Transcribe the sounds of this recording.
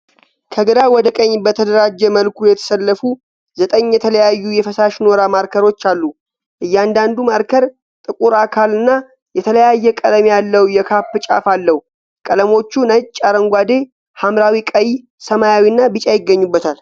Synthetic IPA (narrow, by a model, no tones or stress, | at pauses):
kʰəɡɨd̪awɔd̪əkʼəɲːbət̪ʰəd̪əɾad͡ʒːɛməlkʰujɛt̪ʰə̥səlːəfu | zət̪ʼəɲːjɛt̪ʰələjajːujɛfəsaʃno̞ɾamaɾkʰəɾo̞t͡ʃːalːu | ʔɨjːɛand̪and̪umaɾkʰəɾ | t̪ʼɨkʼuɾakʰalɨnːa | jɛt̪ʰələjajːɛkʼələmejalːəwjɛkʰapːɨt͡ʃʼa̰falːəhu | kʼələmo̞t͡ʃːunət͡ʃʼːaɾəŋɡʷad̪e̞ | hamɾawikʼəji | səmajawinːabɨt͡ʃʼajɪɡːəɲːubːət̪ʰal